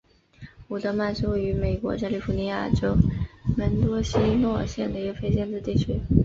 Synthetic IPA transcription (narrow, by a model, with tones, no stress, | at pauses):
u˨˩t̪ɤ˧˥ma˥˩nʂo˥ʊ˩y˧˥me˨˩ɪkwɔ̰˧˥t͡ɕja˥li˥˩fu˧˥ni˧˥ja̰˥˩ʈ͡ʂo˥ʊmə˧˥nt̪wɔ˥ɕi˥nwɔ˥˧˩ɕjɛ˥˩nd̪ə˩i˧˥ɡə˧fe˥ɪɕjɛ˥˧nt͡sɹ̩˥˧t̪i˥˩t͡ɕʰy˥